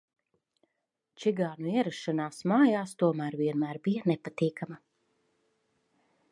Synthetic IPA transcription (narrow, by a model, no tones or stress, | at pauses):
t͡ʃiɡaːnuiɛɾaʃːanaːsmaːjaːst̪uɔmæːɾviɛnmæːɾbijɐnɛpat̪iːkama